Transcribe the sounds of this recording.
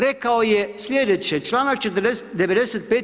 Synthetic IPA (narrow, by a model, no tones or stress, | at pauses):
ɾɛkaojɛslʲjed̪ɛt͡ʃɛt͡ʃlaːnak̚t͡ʃɛt̪əɾd̪ɛsd̪ɛʋed̪ɛsɛt̪̚peːt̪